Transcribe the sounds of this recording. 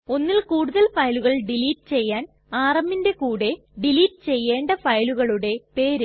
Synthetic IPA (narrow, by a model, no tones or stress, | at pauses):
o̞nːilkuːɽuðɐlfɐjluɣɐɭɖiliːtːɨ̥t͡ɕe̞jːaːn | aːrɐmːinde̞kuːɽe̞ | ɖiliːʈːɨ̥t͡ɕe̞jːe̞ːɳɖɐfɐjluɣɐɭuɽe̞pe̞ːɾu